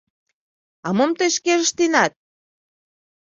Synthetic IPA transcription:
ɑmɤmt̪eʃkeʒəʃt̪inɑt̪̚

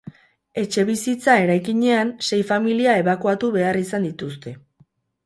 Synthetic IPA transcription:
e̞t͡ʃe̞βisit͡sae̞ɾajkiɲe̞anse̞jfamiliae̞βakuat̪uβe̞arisand̪it̪ust̪e̞

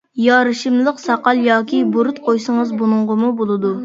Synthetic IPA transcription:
jɑɾɨʃɨmlˠəqsɑqɑlˠjɑːkʲʰibuɾut̪̚qʰojsəŋəzbunʊɴʁəmubolˠɨd̪u

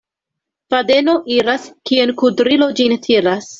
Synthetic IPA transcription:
fade̞no̞ʔiɾaskienkudɾilo̞d͡ʒintʰiɾas

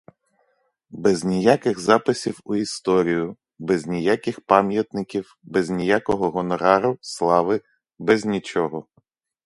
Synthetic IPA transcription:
bɛznʲijakɪɣzɑpɪsʲiwʊist̪ɔɾʲijʊ | bɛznʲijakɪxpɑmʲjɐt̪nɪkʲiw | bɛznʲijakɔɦɔɦɔnɔɾɑɾʊslˠɑʋɪ | bɛzʲnʲit͡ʃɔɦɔ

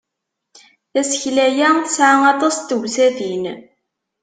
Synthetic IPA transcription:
θæsə̥çlæjæθəsʕaɑt̪ˤɑst̪əʝsæðin

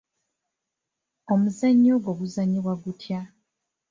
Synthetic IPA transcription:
omuzaɲːoɡo̞βuzaɲːiβwaɡutja

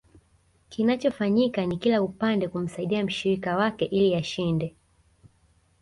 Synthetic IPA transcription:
kinat͡ʃɔfaɲikanikilaupandɛkum̩saiɗiam̩ʃiɾikawakɛʔilijaʃindɛ

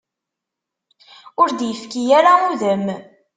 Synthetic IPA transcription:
ʊɾd̪jəfkijæɾauðəm

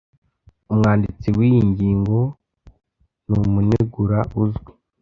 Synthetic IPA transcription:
umŋaːndit͡siwiːjiɲɟiːŋɡo̞ | numuneɡuɾaʔuzɡwi

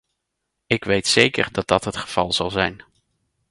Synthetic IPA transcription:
ɪkʋejtsejkə̰ɹdɑt̚dɑtɦətχəv̥ɑ̰lˠz̥ɑlˠzɛjn

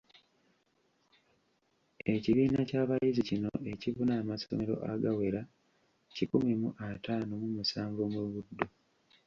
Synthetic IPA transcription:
e̞ciβiːnacaːβajizicino̞̰e̞ciβunaːmaso̰meɾo̞̰ʔa̰ɡawe̞ɾa | cikumimuʔataːnomumusaːɱvomeβudːo

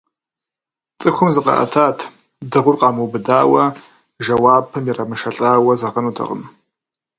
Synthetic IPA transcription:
t͡sʼɨkʷʰʊmzɨqʼɐ̰ʔɐ̰tʰaːtʰ | dɨʁʷʊrqʼɑmɨwbɨdaːwɐ | ʒɐwaːpʰɨmjɛrɐmɨʂɐɬʼaːwɐzɐʁɐnutʰɐ̰qʼə̰m

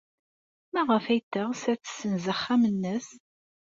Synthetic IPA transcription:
mæʁəfæjt̪ːəʁsæt͡sːsənzəχːæmənːəs

